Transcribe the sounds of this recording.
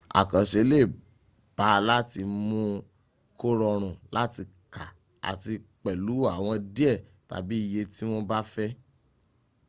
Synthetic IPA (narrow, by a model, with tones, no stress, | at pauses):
a̰˨kã˨ʃe˨˦le˦˨ | b̥a˨˦la˦ti˧mũ˦ | ko˦ɾɔ˧ɾ̃ũ˨la˦ti˧ka˨ | a̰˨ti˧k͡pɛ˨lu˨˦a˦˨w̃ɔ̃˧di˦ɛ˦˨ | ta̰˨bi˦i˨je˧ti˦w̃o˦ba˦fɛ˦